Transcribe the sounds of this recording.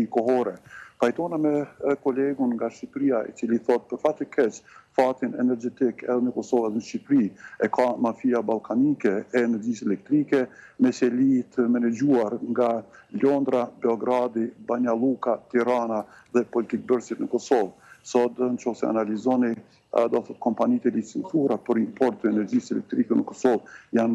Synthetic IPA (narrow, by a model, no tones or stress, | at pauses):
ikɔɦɔɾɛpajt̪ɔnamɛkɔlɛɡunŋɡaʃipɾiaʔḭt͡siliθɔt̪̚pəɾfat̪əkʰɛt͡ʃfat̪inɛ̰nɛɾd͡ʒɛt̪ikɛ̰ðɛnəkɔsɔvaðnəʃipɾiɛkʰamafiabalˠkʰanikɛɛːnɛɾd͡ʒis̬ɛlɛk̚t̪ɾikɛmɛsɛlit̪ʰəmɛnɛd͡ʒuaɾŋɡalɔnd̪ɾabɛɔɡɾad̪ibaɲalˠukat̪iɾana | ðɛpɔlit̪ik̚bəɾsit̪nəkɔsɔvsɔt̪nt͡ʃɔfsɛ̰a̰nalizɔni | d̪ɔaθɔt̪̚kɔmpanit̪ɛlisit̪uɾapəɾimpɔɾt̪ːəɛnɛɾd͡ʒisɛlɛk̚t̪ɾikɛnəkɔsɔvjan